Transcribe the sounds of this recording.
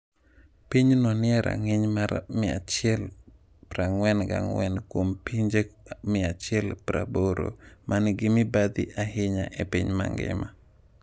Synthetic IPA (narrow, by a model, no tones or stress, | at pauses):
piɲnɔnɪɛɾa̰ŋɪɲmaɾmɪa̰t͡ʃɛl | pɾaŋwɛnɡa̰ŋwɛnkwompiɲd͡ʒemɪat͡ʃɪɛlpɾa̰boɾo̰mʔanɡɪmɪbad̪ɪ̰ʔaɦɪɲa̰ʔɛpiɲma̰ŋɡɛ̰ma